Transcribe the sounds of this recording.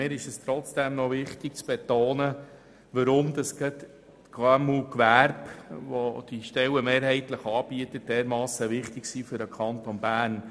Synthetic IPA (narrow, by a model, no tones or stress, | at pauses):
mɪːɾɪʃɛst̪ɾɔt͡sd̥ɛmnɔʋɪχt̪ɪk̚t͡sb̥ɛt̪oːnə | ʋəɾʊmd̪ɑsɡ̥ət̪ | kʰɑmukʋæːɾbʋɔd̥iʃtɛləmeːɾhɛɪtləχɑːb̥iətət̚d̥ɛːɾmɑːsəʋɪχt̪ɪɡsiːfʏɾəkʰɑnt̪ɔnbæːrn